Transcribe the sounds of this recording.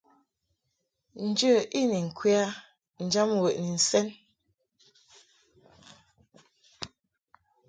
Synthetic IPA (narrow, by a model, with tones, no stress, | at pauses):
n̩˨d͡ʒə˦˨ʔi˦˨ni˨ŋ̩˨kʰwi˦a˦ | n̩˨d͡ʒa˦m˨wə˨ʔni˨n̩˨sɛ˦n